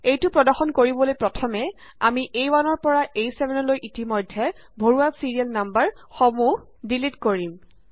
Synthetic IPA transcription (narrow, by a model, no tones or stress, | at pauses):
ejtʊpɹɔdɔɹxɔnkoɹibɔlojpɹɔtʰɔmɛ | amiʔejwanɔɹpɔɹaʔejsɛbʱɛnɔlojʔitimɔjdʱːɛ | bʱoɹuasiɹialnambaɹ | xomuh | dilitkoɹim